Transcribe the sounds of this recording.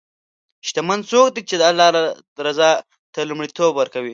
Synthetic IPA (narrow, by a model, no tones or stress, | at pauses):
ʃt̪amand̪sok̚d̪it͡ʃed̪əalːɑla | ɾazɑ | t̪ɐlumɽit̪ʰobwəɾkawi